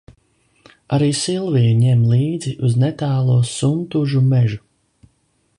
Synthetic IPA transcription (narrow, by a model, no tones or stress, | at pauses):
aɾiːsilˠviɲɛmlˠiːd̪ziʔuznɛt̪aːlˠuɔsunt̪uʒumɛʒu